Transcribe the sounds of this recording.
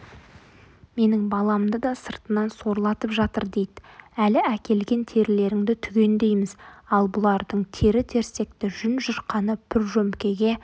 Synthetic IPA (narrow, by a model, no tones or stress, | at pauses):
me̞nɪŋbɑlˠɑmd̪əd̪ɑsəɾt̪ənɑnso̞ɾlˠɑt̪əpʒɑt̪ə̰ɾd̪e̞jd̪ɪælɪækʲe̞lɡʲe̞nt̪ʰe̞ɾɪle̞ɾɪŋd̪ɪt̪ʰʏɡʲe̞nd̪e̞jmɪzɑlˠbʊlˠɑɾd̪əɴt̪ʰe̞ɾɪt̪ʰe̞ɾse̞k̚t̪ɪʒʏnʒʊɾqɑnəb̥ʰɪɾʒɵmkʲe̞ɡʲe̞